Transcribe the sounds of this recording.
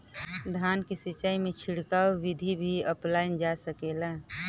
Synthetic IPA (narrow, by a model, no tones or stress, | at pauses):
d̪ʱaːnkisit͡ʃaːimẽt͡ʃʰɪɽkaːwːɪd̪ʱibʱiəplaːind͡ʒasəkeːla